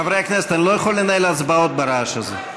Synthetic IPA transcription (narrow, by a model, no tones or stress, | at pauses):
avɾeakneset̪anilojexolːenajlaazbaot̪̚baɾaʃaze